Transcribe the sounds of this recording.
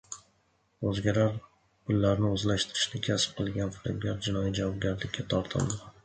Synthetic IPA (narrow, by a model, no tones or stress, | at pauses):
ɵzɡʲaɾaɾ | pʰʊlːaɾnɪɵzlaʃt̪ʰɪɾɪ̥ʃnɪkʲʰasp̚qʰɨlˠɡʲanfɪɾɪbɡʲaɾd͡ʒɪnɒjid͡ʒavɒb̚ɡʲaɾlɪkʲːat̪ʰɒɾt̪ʰɪ̰ld̪ɪ